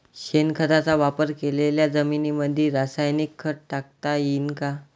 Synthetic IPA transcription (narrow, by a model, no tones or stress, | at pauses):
ɕenkʰəɾat͡saʋapəɾkeleljad͡zəminiməd̪ʱːiɾasajnikʰːəʈʈak̚t̪ajinka